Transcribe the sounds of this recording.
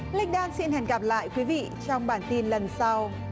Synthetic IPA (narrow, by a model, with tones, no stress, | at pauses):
li˧ŋ̟ɗaː˧nsi˧nhɛ˨˩nɣa˨˩p̚la̰ː˧˨jkwi˨˦vḭ˧˨t͡ɕɔ˧wŋ͡mɓaː˧˩nt̪i˧nlə˨˩nsa˧w